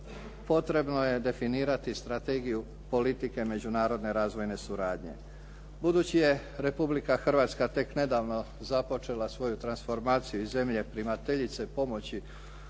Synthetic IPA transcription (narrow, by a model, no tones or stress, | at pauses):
po̞t̪ɾe̞bno̞je̞d̪e̞finiːɾat̪ist̪ɾat̪e̞ːɡiju | po̞lit̪ike̞me̞d͡ʑunaːɾo̞d̪ne̞ɾaːzʋo̞jne̞suɾaːd̪ɲe̞̰ | bud̪uːt͡ɕije̞ | ɾe̞publikaxr̩ʋaːt̪skat̪e̞kne̞d̪aːʋno̞ | zapo̞t͡ʃe̞lasʋo̞jut̪ɾansfo̞ɾmaːt̪sijuize̞mʎe̞pɾimat̪e̞ʎit̪se̞po̞mo̞t͡ɕi